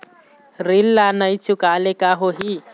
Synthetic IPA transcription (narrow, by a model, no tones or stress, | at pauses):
ril̩lanait͡sʰʊkʼalɪkʼaɦʊɦi